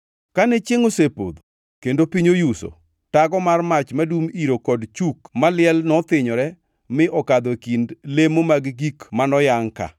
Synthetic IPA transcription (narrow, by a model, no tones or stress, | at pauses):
kanɛt͡ʃɪŋosepo̰d̪o | kendopiɲojuso̰ | taɡɔmarmat͡ʃmadumiɾokɔdt͡ʃukmalɪɛlnɔt̪ɪɲɔɾɛ | mɪʔɔkad̪okindlemomaɡɡikmanɔjaŋka̰